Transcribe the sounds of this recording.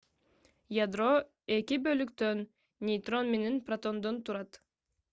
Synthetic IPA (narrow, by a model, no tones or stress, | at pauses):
jad̪ro̞ | e̞kibølykt̪øn | nʲejt̪ro̞nmenenprɐt̪o̞nd̪ont̪uɾɑt̪